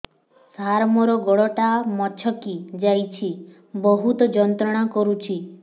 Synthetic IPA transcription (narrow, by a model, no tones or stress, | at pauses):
saɾmɔɾɔɡɔɭɔʈamɔt͡ʃʰɔkid͡ʒajt͡ʃʰi | bɔɦut̪ɔd͡ʒɔnt̪ɾɔɽ̃akɔɾut͡ʃʰi